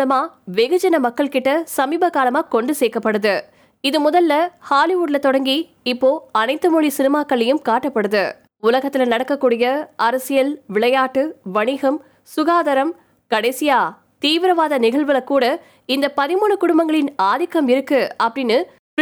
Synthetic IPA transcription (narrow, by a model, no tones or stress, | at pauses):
lɐmaːʋeɣɐd͡ʒɐnɐmɐkːɐɭkɪʈːɐsɐmiːbɐkaːlɐmaːkɔɳɖɯseːkːɐpːɐɽɯðɯ | ɪðɯmʊðɐlːɐhaːlɪʋuːɽlɐt̪ɔɽɐŋɡi | ɪpːoːɐnɐɪt̪ːɯmuːɭisɪnɪmaːkːɐɭɐjɯmkaːʈːɐpːɐɽɯðɯ | ʊlɐɣɐt̪ːɪlɐnɐɽɐkːɐkːuːɽɪjɐɐɾɐsɪjɐlʋɪɭɐjaːʈːɯʋɐɳɪɣɐm | sʊɣaːðɐɾɐm | kɐɽɐɪsɪjaː | t̪iːʋɪɾɐʋaːðɐnɪɣɐɭʋɐlɐkːuːɽɐ | ɪnd̪ɐpɐðɪmuːɳɯkʊɽʊmbɐŋɡɐɭɪnaːðɪkːɐmɪɾɯkːɯɐpːɐɽɪnːɯ